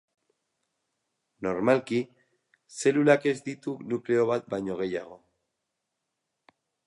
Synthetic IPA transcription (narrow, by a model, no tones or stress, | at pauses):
no̞ɾmalki | se̞lulake̞zd̪it̪unukle̞o̞β̞at̪̚bajɲo̞ɣ̞e̞jaɣo̞